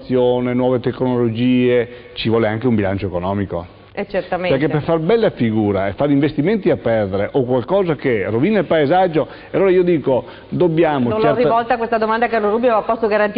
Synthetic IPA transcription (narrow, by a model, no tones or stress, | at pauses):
sːjoːnenwɔːvet̪ekːnolod͡ʒiːe | t͡ʃivwɔːleaŋkeumbilant͡ʃoekonɔːmiko̰ | ɛt͡ʃert̪amepeɾkepːeɾfarbɛlːafiɡuːɾaefːaɾiɱvest̪iment̪iapːɛrd̪eɾeʔokwalkɔːzakeroviːnaelpaezad͡ʒːo | aloːɾaiːod̪iːko | d̪objaːmot͡ʃɛrivɔlt̪akwest̪ad̪omand̪akeloɾubjoapːɔst̪oɡaɾant̪